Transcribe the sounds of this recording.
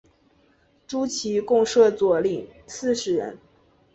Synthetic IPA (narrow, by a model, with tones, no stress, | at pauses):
ʈ͡ʂu˥t͡ɕʰi˧˥kʊ˥˧ŋʂɤ˥˩t͡swɔ˨˩li˨˩ŋsɹ̩˥˩ʂɻ̩˧˥ɻə̰˧˥n